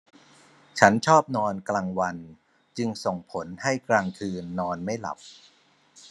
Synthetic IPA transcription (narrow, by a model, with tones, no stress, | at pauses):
t͡ɕʰa˦˥nt͡ɕʰɔː˥˩p̚nɔː˧nklaː˧ŋwa˧n | t͡ɕɯ˧ŋso˨˩ŋpʰo˩˦nha˥˩jklaː˧ŋkʰɯː˧nːɔː˧nma˥˩jla̰˨˩p̚